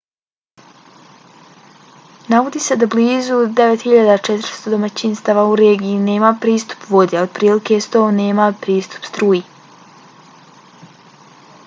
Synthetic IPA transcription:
naʋod̪iːse̞d̪abliːzud̪e̞ʋet̪hiʎad̪at͡ʃet̪ɾst̪o̞d̪o̞mat͡ɕinst̪aʋauɾeɡijine̞ːmapɾiːst̪u̥pʋo̞d̪eaod̪̥̚pɾiːlike̞st̪o̞neːmapɾiːst̪u̥pst̪ɾuːji

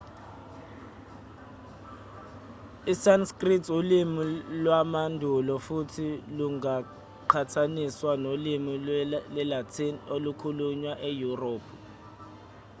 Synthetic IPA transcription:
isanskritʰulimilwamandʱulɔfutʰiluŋa | ǃʰatʰaniswanolimilɛlatʰinolukʰuluɲwaʔejuroːpʰu

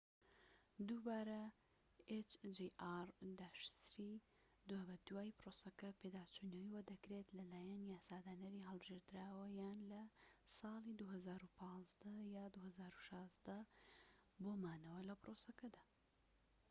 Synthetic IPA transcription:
d̪ubaːɾɐ | et͡ʃd͡ʒeʔaɾd̪aːʃsɾi | d̪ubɐd̪waːjprosɐkɐpʰed̪aːt͡ʃunɐwiwɐd̪ɐkɾet̪lɐlaːjɐnjaːsaːd̪aːnɐɾiɦɐlˠbɨʒeːɾt̪ɨɾaːwɐjaːnlɐsɑːlˠid̪uɦɐzaːɾupʰɑːzd̪ɐjaːd̪uːhɐzaːɾuʃɑːzd̪ɐ | boːmaːnɐwɐlɐpɾoːsɐkɐd̪aː

